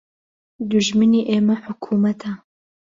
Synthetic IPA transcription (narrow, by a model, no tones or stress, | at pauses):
d̪uʒmɨniːʔeːmɐħʊkʰuːmɐt̪ʰɐ